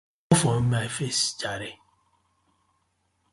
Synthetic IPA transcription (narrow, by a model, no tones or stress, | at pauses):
fɔmaifesd͡ʒaɾe